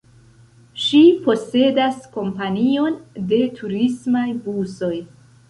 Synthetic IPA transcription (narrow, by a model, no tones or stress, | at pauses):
ʃipo̞se̞dasko̞mpanio̞nde̞tʰuɾismajbuso̞j